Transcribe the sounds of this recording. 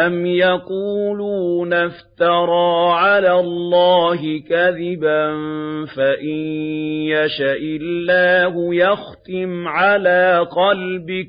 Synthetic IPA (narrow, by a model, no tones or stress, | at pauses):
ʔamjaquːluːnaft̪ɑɾˤɑːʕalaːllːɑːɦɪkaðɪbanfaʔɪnjaʃaʔɪlːaːhʊjɑxt̪ɪmʕalaːqɑlbɪk